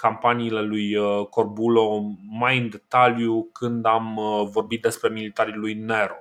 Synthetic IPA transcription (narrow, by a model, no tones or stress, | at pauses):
kampaniːle̞lujko̞rbulo̞majɨnd̪e̞t̪aljukɨnd̪amvo̞rbit̪̚d̪e̞spɾe̞milit̪aɾilujne̞ɾo